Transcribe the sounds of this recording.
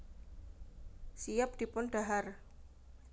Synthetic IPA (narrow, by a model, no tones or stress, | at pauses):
sijap̚d̪̥i̤pʊnɖ̥aɦar